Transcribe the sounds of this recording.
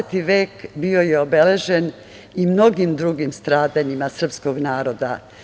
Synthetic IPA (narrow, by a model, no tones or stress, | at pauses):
t̪iʋeːkbio̞jeo̞be̞le̞ʒen | imno̞ɡimd̪ɾuɡimst̪ɾaːd̪aɲimasr̩psko̞ɡnaːɾo̞d̪a